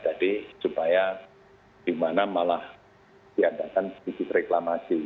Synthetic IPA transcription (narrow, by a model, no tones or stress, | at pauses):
d͡ʒadisupaja | d̥imanamalah | d̥iadakanikit̪reklamasi